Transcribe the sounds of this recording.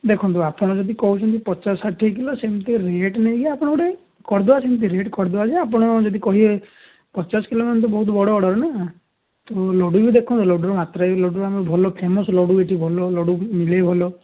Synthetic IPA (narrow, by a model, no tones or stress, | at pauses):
d̪ekʰɔnt̪uapɔɽ̃ɔd͡ʒɔd̪ikɔɦut͡ʃʰɔnt̪̬ipɔt͡ʃasaʈʰːik̬ilosemt̪iɾeʈneiɡeapɔɽ̃ɔuɽe | kɔɾd̪ɔasemt̪̬iɾeʈkɔɾd̪ɔad͡ʒeap̬ɔɽ̃ɔd͡ʒɔd̪ikɔɦie | pɔt͡ʃasɔ̥kilomnt̪̬ɔbɔɦut̪ɔbɔɽɔːɽɔɾɔna | t̪olɔɽubid̪ekʰɔ̃nt̪ulɔɖɔɾɔmat̪ɾajlɔɖɾamɔbʱɔlɔpʰemɔslɔɽueʈʰibʱɔlɔlɔɽumilebʱɔlɔ